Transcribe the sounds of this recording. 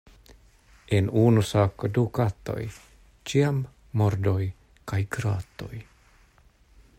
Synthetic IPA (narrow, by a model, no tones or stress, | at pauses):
enunusaːkodukat̪o̞̰j | t͡ʃiamː | oɾdoj | kajɡɾaːt̪o̞̰j